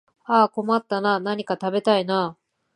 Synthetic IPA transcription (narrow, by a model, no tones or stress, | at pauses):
aːko̞mat̪ːananaɲ̟ikat̪abe̞t̪aina